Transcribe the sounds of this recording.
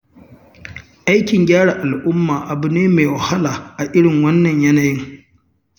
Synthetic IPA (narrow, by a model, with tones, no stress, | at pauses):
ʔa˦jkʲɪ˨ŋɡʲaː˦ɽaː˨ʔa˨lʔʊ˦mːaː˨ʔa˨bʊ˨neː˦meː˨wa˨ha˦laː˨ʔa˨ʔɪ˦ɽɪ˨ŋwɐ˦nːɐ˨ɲjɐ˦na˨jɪ˦ŋ